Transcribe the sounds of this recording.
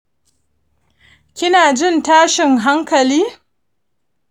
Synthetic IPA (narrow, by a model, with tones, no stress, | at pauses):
kʲɪ˦naː˨d͡ʒɪ˦˨ntaː˦ʃɪ˨ŋɦa˦ŋkɐ˨liː˦